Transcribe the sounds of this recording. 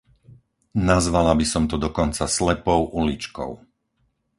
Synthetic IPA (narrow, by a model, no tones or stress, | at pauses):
nazʋalabisɔmt̪ɔd̪ɔkɔnt͡saslɛpɔʊʔulit͡ʃkɔ̰ʊ